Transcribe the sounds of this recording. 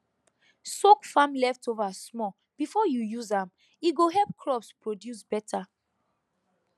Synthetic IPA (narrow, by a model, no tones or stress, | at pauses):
sokfãmlɛftovasmɔ | b̥ifɔjujuzãm | iɡoɦɛlp̚kʰlɔpspɹodjusbɛtʰa